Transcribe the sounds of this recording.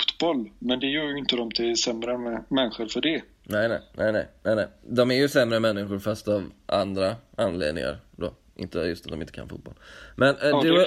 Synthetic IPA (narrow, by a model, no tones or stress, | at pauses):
ft̪bɔlːmɛnd̪ɛjœːɾjɪnt̪əd̪ɔmt̪ʰɪsɛmɾəɛmɛnːɪɧəɾfœɖɛ | nɛɪnɛ̰ɪnʔɛɪnɛɪnɛɪnɛɪjd̪ɔmæɾjɵsɛmːɾəmɛnːɪɧʊɾfast̪avʔa̰nd̪ɾaanlḛːd̪nɪ̰ŋa̰ɾd̪o̰ː | ʔɪ̰nt̪əjɵst̪at̪d̪ɔmɪnt̪ːəkʰa̰nfṵːt̪bɔ̰lmʔɛnd̪ɛ